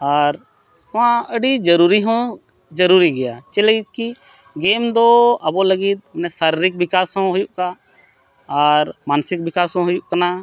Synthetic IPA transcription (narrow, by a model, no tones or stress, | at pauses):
aɾ | hʊãəɖid͡ʒəɾuɾiɦɔ̃ | d͡ʒəɾuɾiɡɛjat͡ʃɛləɡit̪̚ki | ɡemd̪ɔɐbɔləɡit̪̚nɛsaɾiɾɪk̚bɪkasɦɔ̃ɦʊjuʔkaː | ɾmansɪk̚bɪkasɦɔ̃ɦʊjuʔkana